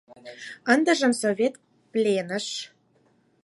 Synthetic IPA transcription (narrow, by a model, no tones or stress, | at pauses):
ə̆nd̪ə̆ʒə̆msovʲet̪̚ | plʲenə̆ʃ